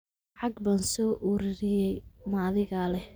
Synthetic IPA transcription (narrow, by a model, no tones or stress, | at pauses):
ʕɑɡbaːnsɔːʔuɾɪɾɪjɛjmaːðɪɣalɛ